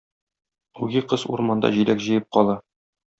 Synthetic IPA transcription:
uɡʲiqɤzuɾmɑnd̪ɑ̰ʑilækʑɤ̆jɤp̚qɒlˠɑ

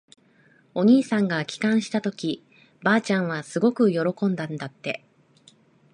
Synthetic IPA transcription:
o̞ɲ̟iːsãŋɡakʲi̥kãɰ̃ɕi̥t̪at̪o̞kʲi | baːt͡ɕãɰ̃β̞asɨɡo̞kɯ̟jo̞ɾo̞kõ̞nd̪ãnd̪at̪ːe̞

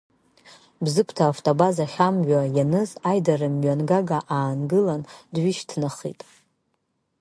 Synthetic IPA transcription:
bzɨpʰtʰaːftʼobazaχʲamʒʷᶣajanɨzajdarɨmɥanɡaɡaʔaːnɡɨlandɥiʃtʰnaχḭtʼ

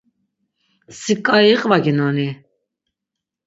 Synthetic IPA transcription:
sikʼaiqʼvaɡinɔni

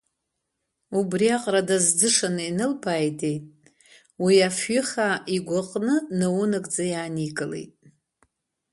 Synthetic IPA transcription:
ubriaqʼradazd͡zɨʂanɨinɨlpʰaːjde̞jtʼ | wiafɥʏχaiɡʷʊqʼnɨnɨwunɨɡʼd͡zajaːniɡʼɨlḛjtʼ

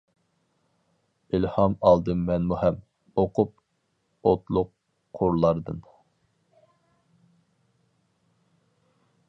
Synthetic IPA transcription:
ilhɑmɑlˠd̪ɨmːɛnmuhɛm | oqʰʊp̚ | ot̪lˠʊq̚ʰː | ʊɾlˠɑɾd̪ɨn

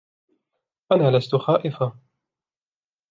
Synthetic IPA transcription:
ʔanaːlast̪ʊxaːʔɪfa

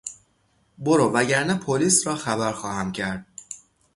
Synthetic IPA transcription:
boɾoːvæɟæɾnæpʰoliːsɾɒːxæβæɾxɒːhæmcʰæɾd̪̥̚

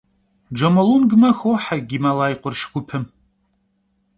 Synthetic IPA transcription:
d͡ʒɐmɐlunɡmɐxowħaɡʲimalaːjqʷʼʊrʃɡʷʊpʰɨm

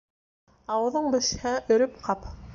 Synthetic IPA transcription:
ɑwɤ̆ðɤɴbɘ̆ʃhæʔɵ̆ɾɵpqʰɑp

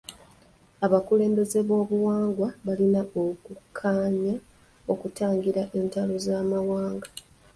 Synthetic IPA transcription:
aβakule̞ːmbe̞ze̞βo̞ːβuwaːŋɡwaβalinao̞kukʰːaːɲa | o̞kutaːŋɡiɾaʔe̞ntalo̞zaːmawaːŋɡa

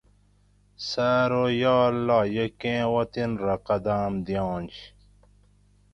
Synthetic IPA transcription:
saːɾojaːlːaːjɐkẽːwɐt̪inɾɐqɐd̪aːmd̪ijɑ̃ːnt͡ɕ

